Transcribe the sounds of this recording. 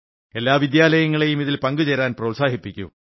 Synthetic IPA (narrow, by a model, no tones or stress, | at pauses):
e̞lːaːʋid̪jaːlɐjɐŋːɐɭe̞jumiðilpɐŋɡut͡ɕeɾaːnprɐʋ̪saːɦipːikʲːṵm